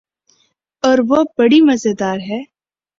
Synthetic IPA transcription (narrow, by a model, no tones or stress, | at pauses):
ɔːɾʋobɐɽimɐzəd̪aːɾɦɛː